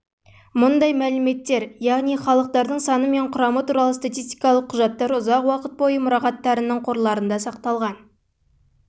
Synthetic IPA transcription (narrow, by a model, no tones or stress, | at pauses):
mʊnd̪ɑjmælɪme̞t̪ːe̞ɾjɑʁnijχɑlˠəq̚t̪ɑɾd̪əɴsɑnəme̞ɴqʰʊɾɑmət̪uɾɑlˠəst̪at̪ijst̪ijkɑlˠəqʰːʊʒɑt̪ːɑɾʊzɑqwɑqət̪̚bo̞jəmʊɾɑqɑt̪ːɑɾənəɴqʰo̞ɾlˠɑɾənd̪ɑsɑqt̪ɑlˠʁɑn